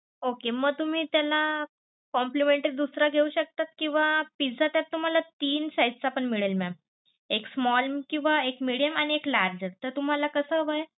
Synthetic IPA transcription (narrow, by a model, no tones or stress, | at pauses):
okeməɡ̚t̪um̤iːt̪jala | kɔmplimeɳʈɾid̪usɾaɡʱeuːɕək̚t̪at̪̚kĩw̃ʋapid͡zat̪jat̪t̪ːum̤alat̪iːnsajd͡zt͡sapəɳmiɭəlmam | eksmɔlmkĩw̃ʋaekmiɽijəmañieklaɾd͡ʑəɾt̪əɾt̪um̤alakəsəʋəj